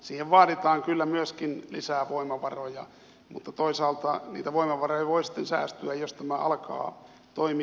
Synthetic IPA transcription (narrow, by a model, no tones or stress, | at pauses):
siːheʋʋɑːɾit̪ɑːŋkylːæmyøskinlisæːʋoimɑʋɑrojɑ | mut̪ːɑt̪oisɑːlt̪ɑnḭːt̪æʋoimɑʋɑrojɑʋoisi̥t̪ːensæ̰ːst̪yæjjost̪æmæʔɑlkɑ̰ː | t̪oimi